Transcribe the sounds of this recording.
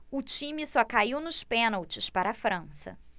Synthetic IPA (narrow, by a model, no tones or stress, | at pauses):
ʊt͡ʃĩmɪsɔkaiwnʊʃpẽnawt͡ʃɪspaɾɐːfɾɐ̃sɐ̰